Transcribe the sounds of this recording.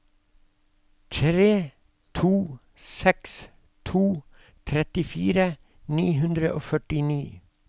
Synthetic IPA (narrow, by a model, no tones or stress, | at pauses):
t̪ʰɾeː | t̪ʰuː | sɛks | t̪ʰuː | t̪ʰɾɛt̪ɪfiːɾə | niːɦʉnd̪ɾəʔoːfœʈɪniː